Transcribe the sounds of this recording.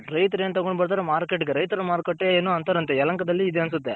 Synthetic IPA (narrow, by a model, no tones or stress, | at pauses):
ɾɐɪt̪ɐɾeːnt̪ɐɡoɳɖbɐɾt̪ɐːɾɐmaːɾkeʈːɯkːeɾɐjt̪ɐɾɐmaːɾkɐʈːeːeːnːoːɐnt̪ɐɾɐnt̪̬eɛlɐŋkɐd̪ɐlːiɪd̪eɐns̬ɯt̪ːe